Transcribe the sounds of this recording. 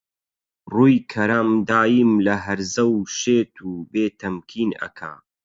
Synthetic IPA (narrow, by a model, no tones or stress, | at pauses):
ruːjkʰɐɾamd̪aːjimlɐɦɐɾzɐwʃeːt̪ʰuːbeːt̪ʰɐmkʰiːnɐ̰kʰa̰